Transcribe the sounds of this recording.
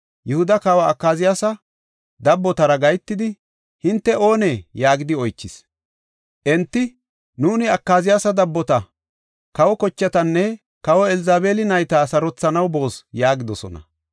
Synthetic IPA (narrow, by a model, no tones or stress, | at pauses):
jɛhʊd̪ɐkɐwɐːkːaːzɪjasɐ | d̪ɐbːɔt̪ɐɾɐɡɐjt̪ːɪd̪ɪ | hɪnt̪ːɛo̞ːneːjaːɡɪd̪ɪɔjt͡ʃːɪs | ʔɛnt̪ːɪ | nuːnɪɐkːaːzɪjaːsɐd̪ɐbːɔt̪ɐ | kɐwɔkɔt͡ʃːɐt̪ɐnːɛ | kɐwɔɛlɪzaːbe̞ːlɪnɐjt̪ɐsɐɾɔt͡sːɐnɐwbo̞ːsjaːɡɪd̪ɔsɔ̰nɐ̰